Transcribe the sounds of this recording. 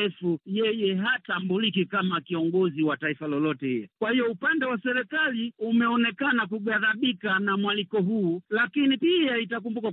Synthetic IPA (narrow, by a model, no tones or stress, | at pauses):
ɛfujɛjɛɦatambulikikamakiɔŋɡɔziwataifalɔlɔtɛhḭjɔkwahiɔupandɛwasɛɾɛkaliumɛɔnɛkanakuɡaðaɓikanamwalikɔɦuːlakinipiaitak̬umbuka